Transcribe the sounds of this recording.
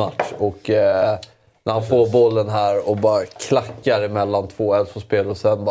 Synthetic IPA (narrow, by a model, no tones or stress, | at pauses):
at̪ʂɔkː | nʔæɾhanfoːɾbɔlːənɦæːɾɔbɑːɾakʰlakːaɾɪmɛlːant̪ʰvoːɛlsɔspeːlɔsɛnb